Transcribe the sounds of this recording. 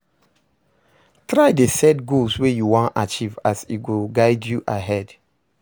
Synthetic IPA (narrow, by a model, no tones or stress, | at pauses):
tɹaɪdesɛdɡolswejuwãnat͡ʃivasiɡoɡaɪdjuʔaɦɛd